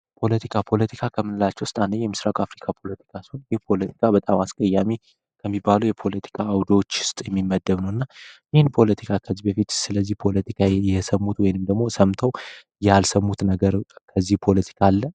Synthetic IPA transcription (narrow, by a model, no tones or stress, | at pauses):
pʰo̞lət̪ʰikʰapʰo̞lət̪ʰikʰakʰəmːɨnɨlat͡ʃːɛwʊst̪ʼand̪əɲjɛmɨsɾakʼafɾikʰapʰo̞lət̪ʰi̥kʰasɨonjɪhpʰo̞lət̪ʰi̥kʰabət̪ʼamaskʼəjːami | kʰəmːibːaluwjɛpʰo̞lət̪ʰi̥kʰaːwd̪ot͡ʃːʊ̥st̪ʼjɛmːimːəd̪ːəβnəwɨnːajɪhɪnpʰo̞lət̪ʰikʰakʰəzːibəfit̪sɨləzːihpʰo̞lət̪ʰikʰajɛsəmːut̪wɔjnɨmd̪əɡmo̞səmt̪ʰəw | jalsəmːut̪nəɡəɾkʰəzːihpʰo̞lət̪ʰi̥kʰalːə